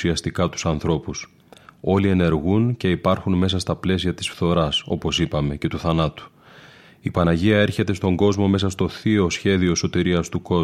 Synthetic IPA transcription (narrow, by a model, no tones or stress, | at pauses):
iɐst̪ikɐt̪u̥sɐnθɾo̞pus | o̞lie̞ne̞ɾɣunce̞ipɐɾxunme̞s̬ɐst̪ɐple̞s̬iɐt̪i̥sfθo̞ɾɐso̞̰po̞sipɐme̞ce̞t̪uθɐnɐt̪u̥ | ipɐnɐʝiɐe̞ɾçe̞t̪e̞st̪o̞ŋɡo̞zmo̞me̞sɐst̪o̞θio̞sçe̞ðio̞so̞t̪iɾiɐst̪uko̞